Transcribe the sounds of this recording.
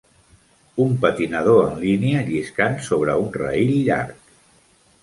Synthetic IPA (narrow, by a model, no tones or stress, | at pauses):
umpət̪inəð̞oənliniəʎiskansoβ̞ɾəunrə̰iliʎa̰ɾk